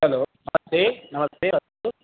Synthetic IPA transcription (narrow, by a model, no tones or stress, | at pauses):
ɦɐloːnɐmɐst̪eːnɐmɐst̪eːʋɐt̪u